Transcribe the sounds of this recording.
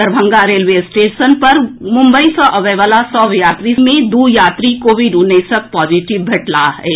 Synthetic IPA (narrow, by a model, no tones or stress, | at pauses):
əɾbʱə̃ŋɡaɾeːlʋesʈeːʃənpɐɾmʊ̃mbəisɔ̃ʔɐʋeːʋəlasɔːʋjaːt̪ɾimẽd̪uːjaːt̪ɾikoʋʱiɖuneːsək̚pɔːd͡ʒiːʈɪʋbʱɐʈlaɦɛ̰ː